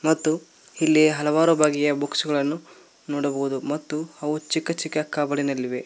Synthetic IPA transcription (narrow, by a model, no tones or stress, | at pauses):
mɐt̪ːu | hilːiɦɐlɐʋaːɾubʱaːɡijɐboksuɡɐɭɐnːu | nɔːɽɐbɐɦud̪umɐt̪ːuɐʋut͡ʃikːɐt͡ʃikːɐkːaːbɐɽinɐlːiʋe